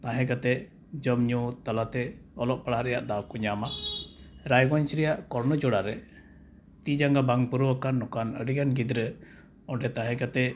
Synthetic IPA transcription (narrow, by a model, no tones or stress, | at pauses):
t̪ãɦɛ̃ɡat̪ɛ | d͡ʒɔmɲɔt̪alat̪ɛɔlɔʔ̚paɽaɾɛja̰ʔd̪awkɔɲama | ɾajɡɔɲt͡ʃɾɛjaʔkɔɾnɔd͡ʒɔɽaɾɛ | t̪id͡ʒaŋɡabaŋpuɾɔwakanːɔkanə̰ɖiɡanɡid̪ɾə | ɔɖɛt̪ãɦɛ̃kat̪ɛ